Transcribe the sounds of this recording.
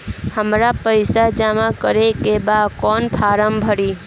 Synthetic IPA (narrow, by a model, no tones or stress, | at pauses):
həmɾapəɪsad͡ʒamakəɾekebad̪kɔnpʰaɾəmbʱəɾi